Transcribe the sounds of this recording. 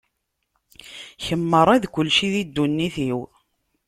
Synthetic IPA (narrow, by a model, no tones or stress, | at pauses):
çəmːəɾˤæðkʷʊlːʃiðid̪ːunːiθiw